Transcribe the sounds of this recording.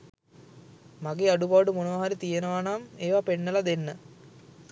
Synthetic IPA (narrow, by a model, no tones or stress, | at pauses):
mɐɡeɐɖubaːɖumonoːaɦɐɾit̪ijɐnɐʋaːɳaːmeːʋapeɳːɐlɐd̪enːɨ